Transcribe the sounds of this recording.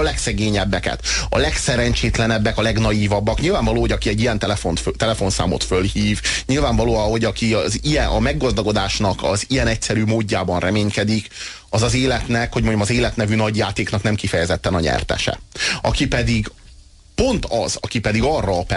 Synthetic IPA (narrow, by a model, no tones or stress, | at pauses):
ɒlɛksɛɡeːɲɛbːɛkɛ̰t̪ɒ̰lɛksɛɾɛɲt͡ʃeːt̪lɛnɛbːɛkɒlɛɡnɒjiːvɒbːɒkɲilvaːɱvɒloːɦoɟɒkiɛɟːijɛnt̪ɛfont̪t̪ɛlɛfo̞nsa̰ːmo̰t̪følhiːvɲilvaːɱvɒloːɒho̞ɟɒkiɒzijɛnʔɒmɛɡːɒzd̪ɒɡo̞d̪aːʃnɒkɒ̰zijɛnɛcsɛɾyːmoːɟːaːbɒnrʔɛmeːɲkɛd̪ik | ɒzɒzeːlɛt̪nɛkho̞ɟ̚moɲdomɒzeːlɛt̪nɛvynɒɟjaːt̪eːknɒknɛmkifɛjɛzɛt̪ːɛnɒɲɛ̰rt̪ɛ̰ʃɛ̰ʔɒkipɛd̪iɡ | po̞nt̪ɒzɒkipɛd̪iɡɒrːɒːpɛ